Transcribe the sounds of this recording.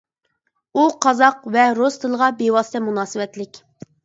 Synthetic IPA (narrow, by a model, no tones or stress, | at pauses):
uqʰɑzɑqvɛɾost̪ʰɨlˠəʁɑbewɑːsɨ̥t̪ʰɛmunɑːsɨwɛt̪lɪkʲ